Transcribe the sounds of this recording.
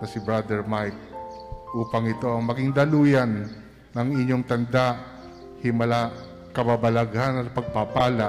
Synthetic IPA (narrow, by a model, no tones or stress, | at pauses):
nɐsɪbɹad̪ɛɹmajk̚ʔuːpɐŋɪt̪o̞ɐŋmɐɡɪŋd̪ɐluːjɐnː | ɐŋɪɲːo̞ŋt̪ɐnd̪aʔ | hɪmɐla | kɐbabɐlɐɡhanɐt̪̚pɐɡ̚papaːla